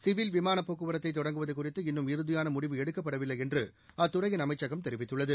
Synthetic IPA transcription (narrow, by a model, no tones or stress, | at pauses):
sɪʋɪlʋɪmaːnɐpːoːkːɯʋɐɾɐt̪ːɐɪt̪ːɔɽɐŋɡɯʋɐðɐɪkːʊrɪt̪ːɯɪnːɯmɪɾɯðɪjaːnɐmʊɽɪʋɯɛɽɯkːɐpːɐɽɐʋɪlːɐɪɛndrɯ | ɐt̪ːʊrɐjɪnɐmɐɪt͡ʃːɐɣɐmt̪ɛɾɪʋɪt̪ːɯɭːɐðɯ